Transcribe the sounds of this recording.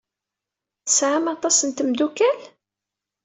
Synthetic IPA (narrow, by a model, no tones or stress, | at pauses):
θəsʕamɑt̪ˤɑsənt̪əmd̪ukæl